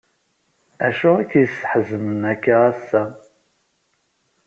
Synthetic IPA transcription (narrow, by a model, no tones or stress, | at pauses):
æʃʊækːjəsə̥ħzəmənækːaæsːæ